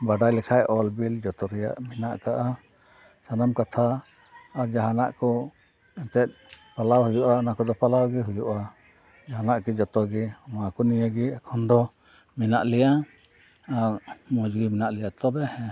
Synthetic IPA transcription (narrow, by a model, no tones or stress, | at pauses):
baɖajlɛkʰajʔɔlbild͡ʒɔt̪ɔɾɛja̰ʔminaʔkaʔa | sanamkat̪ʰaː | ɾd͡ʒaɦana̰ʔkɔ | ɛnt̪ɛt̪̚palawɦujuʔaɔnakɔd̪ɔpalawɡɛɦujuʔa | d͡ʒaɦanaʔkɛd͡ʒɔt̪ɔɡɛmakɔnijəɡɛɛkʰɔnd̪ɔ | mina̰ʔlɛja | aɾmɔd͡ʒɡiminaʔlɛjaʔt̪ɔbɛhɛ̃